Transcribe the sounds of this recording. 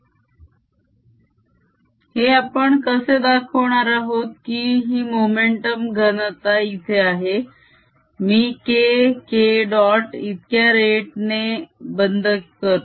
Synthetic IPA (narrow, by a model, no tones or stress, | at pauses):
heapəɳkəsed̪akʰəʋɳaɾaɦot̪̚kiːɦiːmomeɳʈəmɡʱənt̪ait̪ʰeaɦe | miːkekeɖɔʈit̪kjaɾeʈnebənd̪ʱəkːəɾt̪